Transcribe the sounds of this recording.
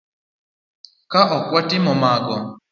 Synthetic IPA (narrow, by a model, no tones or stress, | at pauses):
kaʔɔkwɔtɪmɔmaɡɔ